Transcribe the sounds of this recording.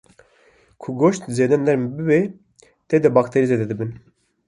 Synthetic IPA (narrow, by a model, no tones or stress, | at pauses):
kʰuɡoʃt̪zeːd̪ɛnlɛɾmbɨbe | t̪ed̪ɛbɑkt̪ʰeɾizeːd̪ɛd̪ɨbɨn